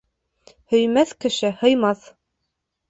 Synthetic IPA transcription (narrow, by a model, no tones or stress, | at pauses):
hɵ̆jmæθkɘ̆ʃɘhɤ̆jmɑθ